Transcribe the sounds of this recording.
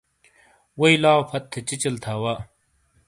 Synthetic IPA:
wɐjlaːpʰɐt̪ʰːet͡ɕit͡ɕɐlt̪ʰaːwa

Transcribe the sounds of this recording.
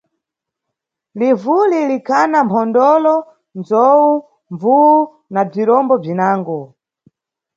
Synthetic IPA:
livulilikʰanampʰɔndɔlɔ | nzɔwu | ɱvuwu | nab͡ʐiɾɔmbɔb͡ʐinaːŋɡɔ

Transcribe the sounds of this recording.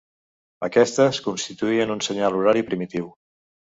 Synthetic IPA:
əkɛst̪əskunst̪it̪uiənunsəɲalˠuɾaɾipɾimit̪iw

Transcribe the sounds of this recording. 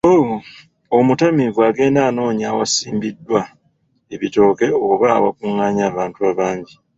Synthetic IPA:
owo | omutamivwaːɡe̞ːndaːno̞ːɲawasiːmbidːwa | e̞βito̞ːke̞oβa̰ːwa̰kuŋːaːɲaːβaːntuaːβaːɲɟi

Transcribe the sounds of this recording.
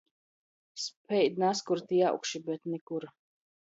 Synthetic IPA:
spʰɛjd̪naskuɾt̪ʰijaʔṵkʃibɛt̪nikuɾ

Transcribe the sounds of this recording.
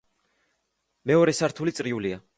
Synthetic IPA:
mɛɔɾɛsaɾt̪ʰulit̪sʼɾiulia

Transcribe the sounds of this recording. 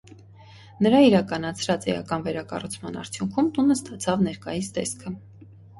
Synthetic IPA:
nəɾɑiɾɑkɑnɑt͡sʰɾɑt͡sɛ̰jɑ̰kɑnvɛɾɑkɑ̰rut͡sʰmɑnɑ̰ɾt͡sʰjuŋkʰumt̪unəst̪ɑt͡sʰɑvnɛɾkɑjisd̪ɛskʰə

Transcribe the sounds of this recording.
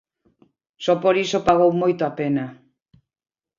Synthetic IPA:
sɔpoɾisopaɣowmojt̪oapena

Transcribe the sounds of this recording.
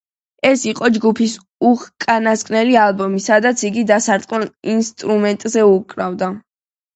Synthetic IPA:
ɛsiqʼɔd͡ʒɡupʰis | uʁkʼanaskʼnɛlialˠbɔmisad̪at̪sʰiɡid̪asaɾt̪ʼqʼɛlinst̪ʼɾumɛnt̪ʼzɛukʼɾavd̪a

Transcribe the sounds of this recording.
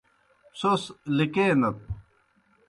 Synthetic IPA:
soslikeːnɐt̪̚

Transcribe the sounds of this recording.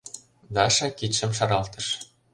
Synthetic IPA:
d̪ɑʃɑkitʃɘ̆mʃɑɾɑlˠt̪ɤ̆ʃ

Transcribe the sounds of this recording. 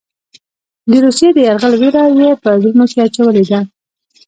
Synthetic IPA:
d̪əɾusjed̪əjaɾɣəlweɾawepəzʊlmokeat͡ʃawəled̪a

